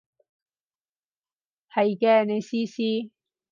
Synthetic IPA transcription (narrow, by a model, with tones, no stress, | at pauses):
hɐ˨jkɛ˦ne˨si˦si˦